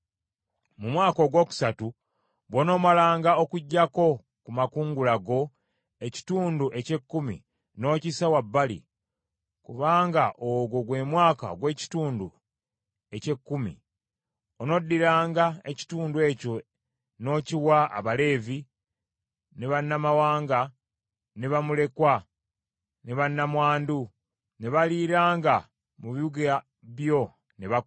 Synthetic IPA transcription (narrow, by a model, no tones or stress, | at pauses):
mumwaːko̞ɡwo̞ːku̥satu | βono̞ːmalaːŋɡao̞kuɟːako̞ | kumakuːŋɡulaɡo̞ | e̞ci̥tuːnduʔe̞ce̞kːumḭ | no̞ːcisawabːalḭ | kuβaːŋɡaʔoɡoɡwe̞mwaːka̰oɡwe̞ːci̥tuːndu | e̞ce̞kːumḭ | ono̞dːiɾaːŋɡaḛci̥tuːndue̞ːco̞ | no̞ːciwaa̰βale̞ːvi | neβanːamawaːŋɡa | neβamule̞kwa | neβanːamwaːndu | neβaliɾaːŋɡa | muβiuɡa | βjo̞ | neβa